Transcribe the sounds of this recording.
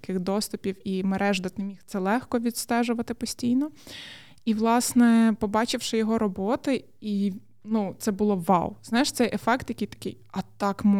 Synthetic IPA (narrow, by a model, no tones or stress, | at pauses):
kɪxd̪ɔst̪ʊpʲiwimeɾʔɛʒd̪ɐt̪nemʲixt̪sɛlˠɛxkɔʋʲid̪st̪ɛʒʊʋɐt̪ɪpɔsʲtʲijnɔ | iʋlˠɑsnɛpɔbɑt͡ʃɪwʃɪjɔɦɔɾɔbɔt̪ɪ | i | nut̪sɛbʊlˠɔʋɑwznɑjɪʃt̪sɛjʔefɛkt̪jɐkɪjt̪ɐ̥kɪ̰jɐt̪ɑkm